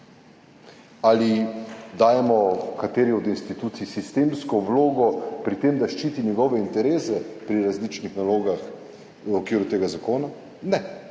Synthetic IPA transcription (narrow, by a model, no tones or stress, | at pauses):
alid̪aːjɛmɔkat̪eːɾiɔd̪inst̪it̪uːt̪sisist̪emskɔʋloːɡɔpɾit̪emd̪aʃt͡ʃiːt̪inʲjɛɡɔʋɛint̪ɛɾeːsɛpɾiɾazlit͡ʃnixnaloːɡax | ɔkʋiːɾut̪eːɡazakoːna | nɛ